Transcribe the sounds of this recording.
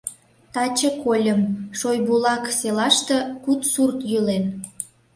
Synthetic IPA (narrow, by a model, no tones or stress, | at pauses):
t̪ɑt͡ɕəkolʲəmʃojbulɑkselɑʃt̪ĕkut̪surt̪jylen